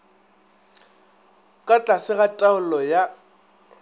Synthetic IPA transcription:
kʼat͡ɬʼasɪɣatʼaʊlɔja

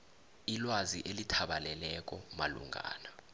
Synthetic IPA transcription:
ilwazḭʔelitʰaɓalɛlɛk̬ʼɔmalṵŋʱa̰ːna

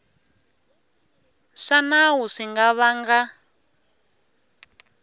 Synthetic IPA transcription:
ʂanawuʂiŋɡaβaŋɡa

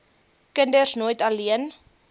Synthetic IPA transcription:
kəndərsnuəjtɐliən

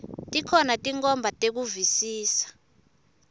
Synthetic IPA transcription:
tʼikʰɔnatʼiŋkʼɔmbʱatʼek̬uvisiːsḁ

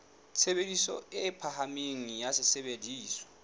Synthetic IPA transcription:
t͡sʰebedisɔ̰ɪpʰahameŋ̩jasɪsebediːswɔ̥

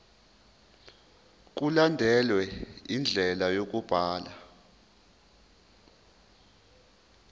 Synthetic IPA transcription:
k̬ulandʱɛlwɛind͡ɮʱɛlajok̬ub̥ʱaːla

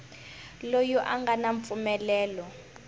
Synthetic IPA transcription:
lojɔʔaŋɡanaɱp̪fumɛlɛːlɔ

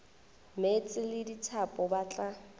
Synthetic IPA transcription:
met͡sʼɪlɪdit͡sʰapʼɔbat͡ɬʼa

